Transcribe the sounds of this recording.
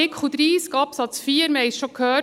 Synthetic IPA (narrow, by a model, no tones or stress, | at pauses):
ɪkχud̪ɾiːskɑpsɑt͡sfiːəɾməhɛɪsʃɔkʰhøː